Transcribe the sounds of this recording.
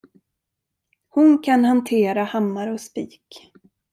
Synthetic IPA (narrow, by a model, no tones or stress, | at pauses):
hʊnkʰanhant̪ʰeːɾahamːaɾɔspiːk